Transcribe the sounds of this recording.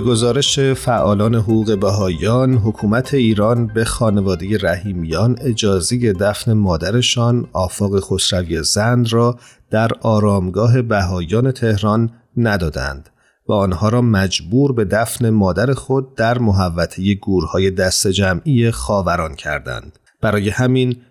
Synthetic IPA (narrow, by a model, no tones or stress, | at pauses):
beɡo̞zɒːɾe̞ʃefæʔɒːlɒːne̞ɦoɣuːɣe̞bæɦɒːjɒːnɦokʰuːmæt̪ʰe̞iːɾɒːnbe̞xɒːne̞vɒːd̪eje̞ɾæhiːmijɒːne̞d͡ʒɒːzeje̞d̪æfne̞mɒːd̪æɾe̞ʃɒːnɒːfɒːɣe̞xo̞sɾævie̞zænd̪rɒː | d̪̥æɾɒːɾɒːmɡɒːɦe̞bæɦɒːjɒːne̞t̪ʰe̞hɾɒnː | æd̪ɒːd̪æ̰nd̪̥ | væɒnhɒːɾɒːmæd͡ʒbuːɾbe̞d̪æfne̞mɒːd̪æɾe̞xo̞d̪̚ːæɾmoɦævːæt̪ʰeje̞ɡuːɾhɒːje̞d̪æst̪ed͡ʒæmijexɒːvæɾɒːncʰæɾd̪æ̰nd̪̥ | b̥æɾɒːje̞hæmin